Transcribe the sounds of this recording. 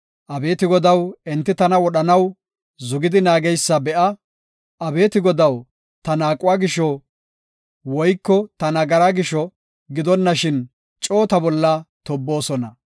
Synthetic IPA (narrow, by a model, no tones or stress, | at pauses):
ʔɐbe̞ːt̪ɪɡɔd̪ɐwɛnt̪ːɪt̪ɐnɐwɔɗɐnɐw | zʊɡɪd̪ɪnaːɡɛjsːɐbɛʔɐ | ʔɐbe̞ːt̪ɪɡɔd̪ɐw | t̪ɐnaːkʼʊwaːɡɪʃːɔ | wɔjkːɔt̪ɐnɐɡɐɾaːɡɪʃɔ | ɡɪd̪ɔnːɐʃɪn | t͡ʃʼo̞ːt̪ɐbɔlːɐt̪ɔbːo̞ːsɔnɐ